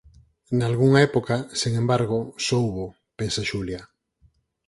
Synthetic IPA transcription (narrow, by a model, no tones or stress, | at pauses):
nalɣuŋaɛpokasiŋẽmbaɾɣ̞osowβo | pensaʃulja